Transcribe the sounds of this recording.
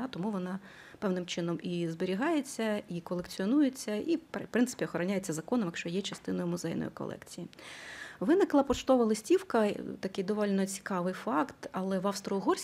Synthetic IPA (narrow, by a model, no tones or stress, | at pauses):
at̪ɔmuʋɔnɑ | pɛʋnɪmt͡ʃɪnɔmizbeɾʲiɦɑjet͡sʲːɐikɔlˠekt͡sʲiɔnujet͡sʲːɐʔippɾɪnsɪ̥pʲiɔxɔɾɔnʲajet͡sʲːɐzɐkɔnɔmjɐkʃt͡ʃɔjɛt͡ʃɐst̪ɪn̪ɔjʊmʊzɛjnɔ̰jʊ̰kɔ̰lˠʔɛ̰kt͡sʲiji | ʋɪnɪklˠɐpɔt͡ʃt̪ɔʋɐlˠɪsʲtʲiwkɐt̪ɐkɪjd̪ɔʋɔlʲnɔt͡sʲi̥kɑʋɪjfɑkt̪ɐlˠɛʋɑwst̪ɾɔːɦɔrʲsʲ